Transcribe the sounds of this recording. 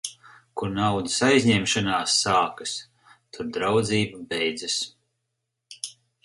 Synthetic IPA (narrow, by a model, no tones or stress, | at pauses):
kuɾnawd̪isajzʲɲɛmʃanaːsːaːkas | t̪ʰuɾd̪ɾawd̪ziːbabɛjd̪zas